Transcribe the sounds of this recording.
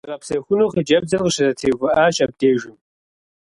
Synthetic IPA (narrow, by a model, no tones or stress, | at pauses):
ʁɐpsɐxʷʊnoːχəd͡ʒɐb̚zɐrqəɕɐzɐtʰeːɣʷʊʔaːɕʼɐb̚deːʒɪm